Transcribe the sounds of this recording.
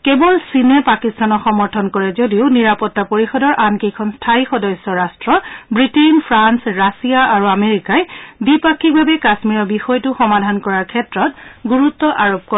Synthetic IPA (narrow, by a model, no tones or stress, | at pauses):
kebɔlsinɛpakistanɔxɔmɔɹtʰɔnkɔɹɛzodiʊniɹapɔtːapoɹixɔdɔɹʔankejkʰɔnstʰaixɔdɔsɔɹastɹɔbɹitenpʰɹansɹasiaaɹuameɹikajbipakʰːik̚bʱabɛkasmiɹɔbixɔjtʊxɔmadʱankɔɹaɹkʰɛtɹɔtɡuɹutːɔʔaɹop̚kɔ